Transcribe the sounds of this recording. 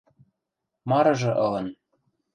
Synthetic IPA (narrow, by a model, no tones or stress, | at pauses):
mɑɾɤ̆ʒɤ̆ʔɤ̆lɤ̆n